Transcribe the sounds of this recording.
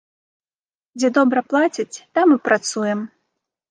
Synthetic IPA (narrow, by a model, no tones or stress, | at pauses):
d͡zʲɛd̪ɔbɾɐplˠat͡sʲit͡sʲt̪amːɨpɾʔat̪sujɛm